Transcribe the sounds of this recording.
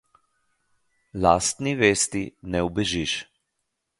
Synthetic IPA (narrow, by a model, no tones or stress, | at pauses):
laːst̪niʋeːst̪inɛubɛʒiʃ